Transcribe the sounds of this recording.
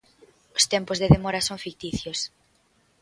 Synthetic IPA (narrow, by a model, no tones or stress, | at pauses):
ost̪ɛmpozðeðemɔɾɐsoŋfik̚t̪iθjos